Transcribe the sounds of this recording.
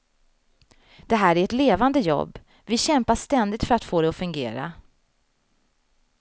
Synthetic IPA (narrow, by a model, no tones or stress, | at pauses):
d̪̥ɛɦæːɾæɾɛt̪leːvand̪əjɔ̰bː | vɪɕɛmpaʂt̪ɛnd̪ɪt̪fœɾat̪foːd̪ɛɔfɵŋɡḛːɾa̰